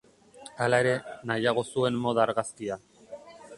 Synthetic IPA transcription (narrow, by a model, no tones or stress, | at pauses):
alae̞ɾe̞najaɣ̞o̞sue̞nːo̞ðaːɾɣaskia